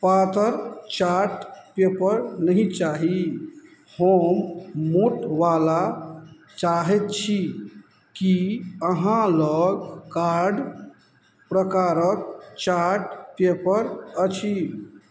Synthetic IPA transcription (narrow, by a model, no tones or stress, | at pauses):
pat̪əɾt͡ʃaɾʈpepəɾnəɦĩt͡ʃaɦi | həmːoʈʋala | t͡ʃaɦɛt̪̚t͡ʃʰi | kiəɦãləɡkaɾɖ | pɾəkaɾək̚t͡ʃaɾʈpepəɾət͡ʃʰi